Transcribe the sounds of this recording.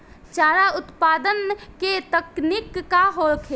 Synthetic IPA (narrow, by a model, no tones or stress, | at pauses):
t͡ʃaːɾaʊt̪paːd̪ənket̪əknikːaɦolkʰe